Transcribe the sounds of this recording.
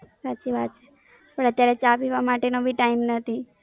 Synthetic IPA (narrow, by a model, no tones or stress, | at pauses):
satːt͡ʃiʋat̪t͡ʃʰe | pəɳət̪jaɾɛt͡ʃapiʋamaʈenobʱiʈaimnət̪ʰi